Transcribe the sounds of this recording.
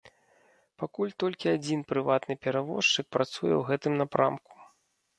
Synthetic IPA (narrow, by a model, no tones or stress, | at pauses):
pakulʲt̪ɔlʲkʲiad͡zʲinpɾɨvat̪nɨpʲɛɾavɔʂt͡ʂɨk̚pɾat̪sujɛ̰wɣɛt̪ɨmnapɾa̰mku̥